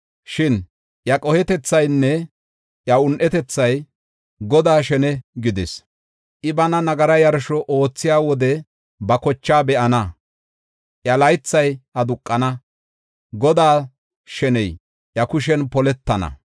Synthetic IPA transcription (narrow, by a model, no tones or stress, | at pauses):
ʃɪn | ʔjɐkʼɔhɛt̪ɛt͡sːɐjnːɛ | ʔjɐʊnʔɛt̪ɛt͡sːɐj | ɡɔd̪aːʃɛnɛɡɪd̪ɪs | ʔɪbɐnɐnɐɡɐɾɐjɐɾʃɔʔo̞ːt͡sːɪjaːwɔd̪ɛ | bɐkɔt͡ʃːaːbɛʔɐnɐ | ʔjɐlɐjt͡sːɐjɐd̪ʊkʼːɐnɐ | ɡɔd̪aː | ʃɛnɛj | ʔjɐkʊʃ̬ɛnpɔlɛt̪ːɐnɐ̰